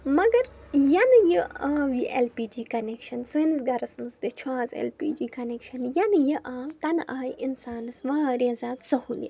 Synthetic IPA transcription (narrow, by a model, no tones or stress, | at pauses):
mɐɡɐɾ | jɐnɨjəʔaːʋiʔelpiːd͡ʒiːkɐnekʃɐnsɨnsɡɐɾɐsmɨsd̪et͡ʃʰwaːzḛlpiːd͡ʒiːkɐneːkʃɐnjɐnɨjɐʔãːmt̪ɐnʔaːjinsaːnɨsʋaːɾeːzaːt̪sɐhuːljɐ̰